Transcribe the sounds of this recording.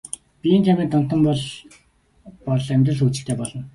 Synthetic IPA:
pʲieːnt̪ʰæmiːkt̪ɔn̥t̪ə̆mpɔɮ | pɔɮæmʲt̪rə̆ɮut͡ɕɪ̆kt̪ʰeːpɔɮɞ̆n

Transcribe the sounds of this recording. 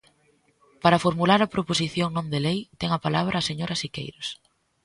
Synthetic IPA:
paɾɐfoɾmulaɾɐpɾoposiθjoŋnõnd̪elejt̪ɛŋɐpalaβ̞ɾʔɐːseɲoɾɐsikḛjɾos

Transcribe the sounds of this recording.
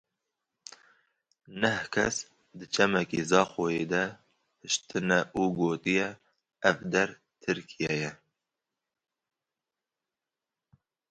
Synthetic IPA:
nɛhkʰɛs | d̪ɨt͡ʃʰɛmɛkizɑːxojeːd̪ɛ | hɨʃt̪ɨnɛʔuːɡoːt̪ɨjɛ | ɛvd̪ɛɾ | t̪ʰɨɾkʰijɛjɛ

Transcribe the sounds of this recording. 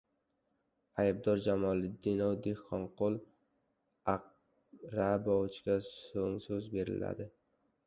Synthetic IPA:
ajb̚d̪ɒɾd͡ʒamɒlɪd̪ɪnɒwd̪ehqːɒɴqolˠ | aq̚ | ɾabɒwt͡ʃʰɡʲasoŋsɵzbe̞ɾɪ̰la̰d̪ɪ

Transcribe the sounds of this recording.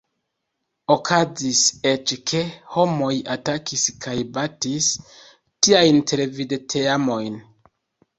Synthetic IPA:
o̞kʰazise̞t͡ʃkʰe̞ho̞mo̞jatakiskʰajbatis | tiajntʰe̞levidetʰeamo̞jn

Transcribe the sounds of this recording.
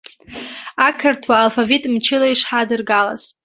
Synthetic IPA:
akʰɨrtʰwaːlfavitʼmt͡ʃʰɪlaiʂħadɨrɡala̰z̥

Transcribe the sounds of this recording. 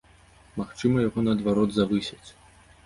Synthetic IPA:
maxt͡ʂɨmɐjaɣɔnɐːd̪vaɾɔd̪zavɨsʲɐt͡sʲ

